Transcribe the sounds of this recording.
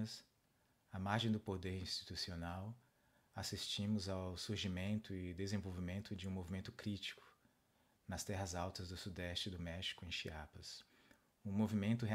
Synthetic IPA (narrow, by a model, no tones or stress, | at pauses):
ɐs | ɐmaɾʒẽj̃d̪ʊpod̪eɾĩst͡ʃi̥t̪usionaw | asist͡ʃĩmʊzawsuɾʒimẽnt̪ʊɪd̪ezẽvowvimẽnt̪ʊd͡ʒɪũmovimẽnt̪ʊkɾit͡ʃi̥kʊ̥ | nɐst̪ɛɦɐzawt̪ɐzd̪ʊsud̪ɛst͡ʃɪd̪ʊmɛʃi̥kʊẽj̃ʃiapɐs | ũmovimẽnt̪̬ʊɦe